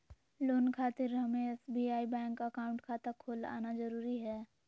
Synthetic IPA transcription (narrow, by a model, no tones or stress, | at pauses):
loːnkʰaːt̪ɪɾɦɐmẽɛsbiːaːibɛ̃ːŋkɐkaːʊ̃ɳʈkʰaːt̪akʰoːla̰ːnazɐɾuːɾiɦɛː